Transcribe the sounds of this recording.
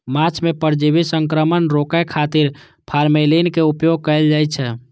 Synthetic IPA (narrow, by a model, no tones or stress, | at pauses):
mat͡ʃʰmepəɾd͡ʒibisəŋkɾəmənɾokəkʰat̪iɾ | pʰaɾmelinkeupjoɡ̚kəɪld͡ʒajt͡ʃʰɛ